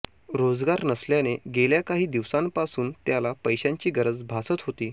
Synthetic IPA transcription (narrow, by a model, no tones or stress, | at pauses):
ɾod͡zɡaɾnəsljaneɡeljakaɦiːd̪iʋsãmpasuːnt̪jalapəjɕjaɲt͡ɕiːɡəɾəd͡zbʱasət̪ɦot̪iː